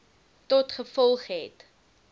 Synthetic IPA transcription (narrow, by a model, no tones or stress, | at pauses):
tɔtχəfɔlˠχɦɛt